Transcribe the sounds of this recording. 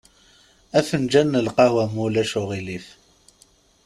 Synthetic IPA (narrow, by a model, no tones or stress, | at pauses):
æθənd͡ʒænːəlqɑhwæmulæʃʊʁilif